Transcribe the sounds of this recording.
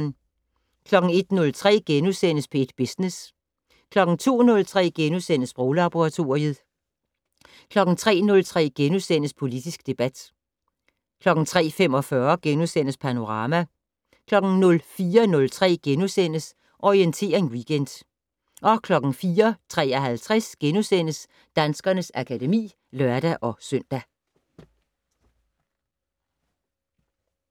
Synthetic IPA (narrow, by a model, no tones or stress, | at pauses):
n | kʰlɒ̽ɡ̥ŋ̩e̝d̥nɔ̽lt͡sʰʁɛ̰ːɡ̥enusen̰əspʰɔ̽e̝d̥b̥e̝snes | kʰlɒ̽ɡ̥n̩t͡sʰo̝̰ːnɔ̽lt͡sʰʁɛ̰ːɡ̥enusen̰əsb̥ʁoʊlɑ̈b̥oʁɑ̈t͡sʰo̝ɐið̩ˠ | kʰlɒ̽ɡ̥n̩t͡sʰʁɛ̰ːnɔ̽lt͡sʰʁɛ̰ːɡ̥enusen̰əspʰo̝lid̥isɡ̥d̥e̝b̥æd̥ | kʰlɒ̽ɡ̥ŋ̩t͡sʰʁɛ̰ːfem̰ɒ̽fɶɐɡ̥enusen̰əspʰæno̝ʁɑ̈ːmæ | kʰlɒ̽ɡ̥n̩nɔ̽lfiːɐnɔ̽lt͡sʰʁɛ̰ːɡ̥enusen̰əs | ʔɒient͡sʰe̝̰ːɐe̝nwiɡ̥end̥ | ʔɒ̽kʰlɒ̽ɡ̥n̩fiːɐt͡sʰʁɛ̰ːɐɦælt͡sʰʁɛsɡ̥enusen̰əs | d̥ænsɡ̥ɐnəsækʰæd̥e̝mḭː | lœɐd̥æʔɒ̽søn̰d̥æ